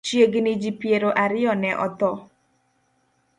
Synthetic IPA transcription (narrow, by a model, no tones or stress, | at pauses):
t͡ʃjeɡnid͡ʒipjeɾoʔaɾɪɔnɛʔɔ̰t̪ɔ